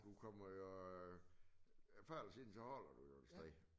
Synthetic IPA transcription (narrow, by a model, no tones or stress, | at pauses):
d̥ukʰɒmɐjo | fælse̝n̰sɒhɒ̽l̰ɐd̥ujo̥sd̥ɛɪ